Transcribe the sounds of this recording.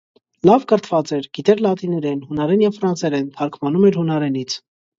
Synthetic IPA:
lɑvkəɾt̪ʰvɑt͡sɛɾɡ̥it̪ɛɾlɑt̪inɛɾɛnhunɑɾɛnjɛvfɾɑnsɛɾɛnt̪ʰɑɾkʰmɑnumɛɾhunɑɾɛnit͡sʰ

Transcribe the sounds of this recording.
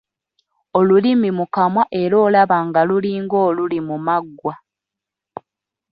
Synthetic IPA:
olulimimukamwaʔe̞ɾo̞ːlaβaŋɡaluliːŋɡo̞ːlulimumaɡːwa

